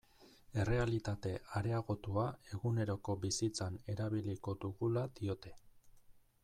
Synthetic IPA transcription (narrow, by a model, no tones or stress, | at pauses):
e̞re̞alit̪at̪e̞ʔaɾe̞aɣo̞t̪uae̞ɣune̞ɾo̞ko̞bisit͡sane̞ɾaβ̞iliko̞d̪uɣulad̪io̞t̪e̞